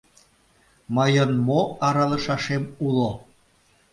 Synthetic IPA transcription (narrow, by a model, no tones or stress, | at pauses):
məjənmoɑɾɑlə̆ʃɑʃemulo